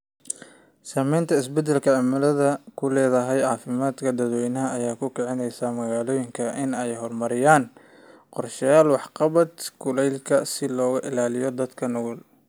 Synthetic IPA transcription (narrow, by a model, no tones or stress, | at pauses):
saːmɛjnt̪ʰɐɪs̬bɛd̪ɛlkʰɐʕɑmɪlɐðɐkʰʊlɛːðɐɦɛjʕɑːfɪmaːd̪kʰɐd̪ɐd̪wɛjnɐɦɐɐjaːkʰʊkʰɛʕɪnɛjsaːmɐɣaːlɔːjɪŋkʰɐʔɪnɛjɦɔrmɐɾɪjaːn | qɔrʃɐjaːlwɑħqɑβɐd̪kʰʊlɛjlkʰɐsɪlɔːɣɐʔɪ̰laːlɪjɔd̪ɐd̪kʰɐnɔɣɔl